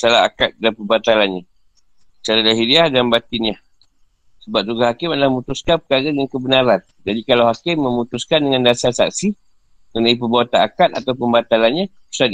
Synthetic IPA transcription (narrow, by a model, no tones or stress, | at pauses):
salaa̰kat̪̚danpəbat̪alanɲa | t͡ʃaɾadaɦidiahdanbat̪iɲa | səbap̚d͡ʒuɡahakɪmadəlahməmut̪uskanpəkaɣajaŋkəbənaɾan | d͡ʒadikalawɦakɪmːəmut̪uskandəŋandasasa̰k̚si | kənaip̬əbawat̪anakat̪̚a̰t̪awpəmbat̪alanɲa | u̥sa